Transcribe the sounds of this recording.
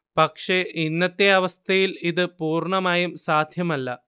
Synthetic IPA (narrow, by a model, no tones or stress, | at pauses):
pɐkʂeʔinːɐt̪ːe̞ɐʋɐst̪ʰɐjiliðɨpuːrɳɐmaːjumsaːd̪ʱjɐmɐlːɐ